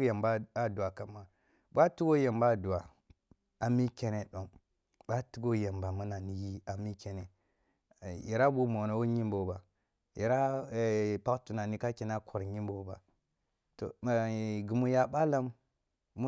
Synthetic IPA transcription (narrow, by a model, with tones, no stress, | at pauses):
ja˨mba˦a˨du˨a˨ka˨mːa˨ | bʷa˦tu˦ɡo˦je˨mba˦˨du˨a˨ | a˨mi˦kʲe˦ne˨ɗo˨m | ba˦tu˦ɡo˦je˨mba˨mu˦na˨ni˨ji˦a˨mi˦ke˨ne˨ | ji˨ɾa˦bu˦mo˨no˨˦wo˦ɲi˦mbo˨ba˨ | ji˨ɾa˦˨ | pa˦ktu˨na˨ni˦ka˦ki˨na˦kʰo˨ɾɲi˦mbo˨˦ba˨ | to̰˨ɡu˨mu˨ja˨ɓa˦la˦mː | u˦